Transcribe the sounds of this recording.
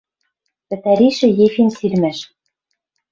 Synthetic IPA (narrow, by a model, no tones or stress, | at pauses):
pɘ̆t̪æɾiʃɘ̆jefinsilmæʃ